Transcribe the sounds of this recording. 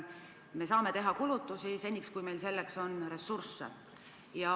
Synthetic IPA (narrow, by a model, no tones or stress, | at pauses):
me̞sɑːme̞t̪e̞ɦɑkulut̪ːˑusise̞nʲːikskujme̞jlse̞lːekso̞nre̞sursːḛ | jɑ